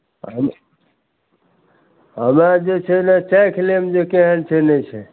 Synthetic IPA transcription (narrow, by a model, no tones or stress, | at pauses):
ɦəm | ɦəmɾad͡ʒet͡ʃʰɛnat͡ʃakʰlemd͡ʒekeɦəlt͡ʃʰɛnɛt͡ʃʰɛ